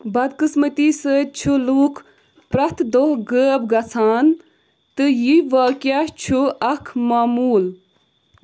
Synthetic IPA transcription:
bɐd̪kɨsmət̪isət͡ʃʰuluːkʰ | pɾɐt̪ʰd̪oɡəːb̚ɡɐt͡sʰaːn | t̪ɨjiʋaːkjat͡ʃʰuɐkʰmaːmuːl

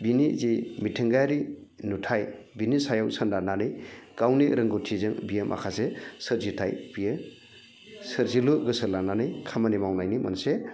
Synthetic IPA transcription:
binizimitʰɯŋɡajɾinutʰaj | binisajawsɯndananɯjɡ̥awniɾɯŋɡutʰizɯŋbijemʔa̰kʰasesɯɾzitʰajb̥ije | sɯɾziluɡɯsɯlananɯjkʰamanimawnajnimɐnse

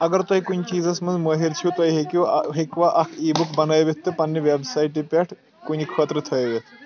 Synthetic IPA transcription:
ɐɡɐɾt̪ɐɦikunit͡ʃiːzɐsmɐnzməːɦiɾt͡ʃʰiut̪ɐɦiɦekuɦekʋaʔɐkʰiːbukbɐnajʋet̪ːɨpɐnːɐʋebsaiʈipʲaʈʰ | kunikʰəːt̪ɾət̪ʰəjʋet̪

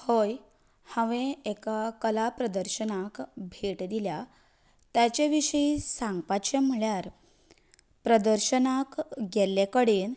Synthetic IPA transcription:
hoj | hə̃ʋẽekakəlapɾəd̪əɾɕənakbʱeʈd̪ilja | t̪jat͡ɕeʋiʂəisaŋɡpat͡ɕem̤əɭjaɾ | pɾəd̪əɾɕənakɡʱɛljekəɽiːn

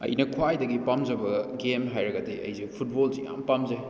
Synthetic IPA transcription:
ɐ̰jnɐkʰwajdɐɡipamd͡ʒɐbɐɡemɦajɾɐɡɐdiɐ̰jzipʰut̚bolzija̰mpɐmze

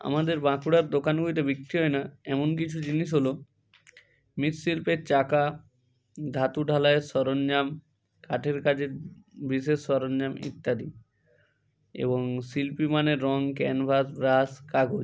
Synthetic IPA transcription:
a̰mad̪eɾbãkuɽaɾd̪okanɡuit̪̬ebik̚t̪iɦɔenaɛmonk̬it͡ɕʰud͡ʑiniʃ̬ɦolo | mit̪silpeɾt͡ɕaka | d̪ʱat̪uɖʱalaesɔɾonɲam | kaʈʰeɾkat͡ɕʰeɾbɾis̬esɔɾonːamḭt̪ːad̪i | ḛboŋsilpimaneɾːɔŋkɛnbʱasbɾaskaɡod͡ʑ

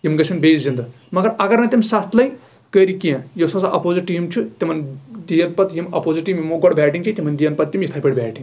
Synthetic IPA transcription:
jimɡɐt͡ʃʰɐnbeːzzind̪ɐ | mɐɡɐɾɐɡɐɾnɐt̪ʲimsat̪ʰlɐj | kəɾikiãjosɐsɐʔɐpoːzɐʈiːmt͡ʃʰut̪emɐnd̪ijɐnpɐt̪jimɐ̰poːziʈiːmjimoɡoɽbɛːʈiŋt͡ʃʰit̪imɐnd̪ijɐnpɐt̪ːʲimjit̪ʰapʲeɽbʲɛːʈiŋ

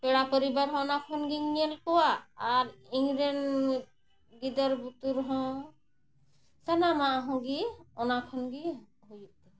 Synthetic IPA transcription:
peɽapɔɾibaɾɦɔ̃ɔnakʰɔnɡiŋnielkɔwaːɾiŋɡɾen | ɡid̪ɔɾbut̪uɾɦɔ̃ | sanamaɦɔ̃ɡiɔnakʰɔnɡi | ɦojt̪

